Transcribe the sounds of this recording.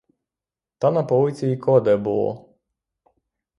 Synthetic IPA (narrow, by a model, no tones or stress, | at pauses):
t̪ɑnɐpɔlˠɪt͡sʲiikʰɔd̪ɛbulˠɔ̰